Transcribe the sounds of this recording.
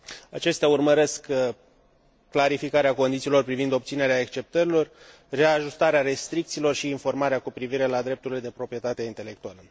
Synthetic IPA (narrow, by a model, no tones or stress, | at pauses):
at͡ʃe̞st̪eaurməɾe̞sk | kːlaɾifikaɾeako̞nd̪it̪siːlo̞rpɾivind̪o̞p̚t̪sine̞ɾeae̞kst͡ʃe̞p̚t̪əɾilo̞r | re̞aʒust̪aɾeaɾe̞st̪ɾik̚t̪siːlo̞rʃiːnfo̞rmaɾeakupɾiviɾe̞lad̪ɾe̞p̚t̪uɾile̞d̪e̞pɾo̞pɾije̞t̪at̪eint̪e̞le̞k̚t̪ualə